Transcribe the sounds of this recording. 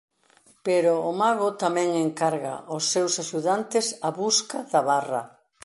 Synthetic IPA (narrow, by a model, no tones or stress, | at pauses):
peɾʊːmaɣʊt̪amɛ̃ŋeŋkaɾɣa̰ʔʊsːewsaʃuðant̪ɪsaβuskaðaβarɐ̰